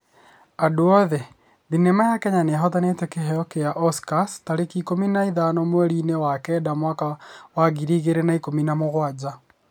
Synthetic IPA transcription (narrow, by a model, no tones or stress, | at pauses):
adoɔðɛ | ðinɛmajakɛɲaneaɦɔtanetɛkeɦɛjɔkejaʔɔskastaɾekikominaiðanɔmwɛɾiːnewakɛdamwakawaɣiɾiɣeɾenaikominamoɣwad͡ʑa